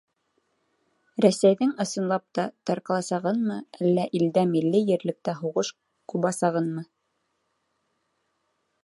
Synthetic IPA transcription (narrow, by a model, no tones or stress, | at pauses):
ɾæsæjðɘŋɤ̆sɤ̆nlˠɑp̚t̪ɑt̪ɑɾqɑlˠɑsɑʁɤnmɤælːæʔild̪æmilːɘjɘ̆ɾlɘ̆k̚t̪æɦuʁɤʃ | quβɑsɑʁɤnmɤ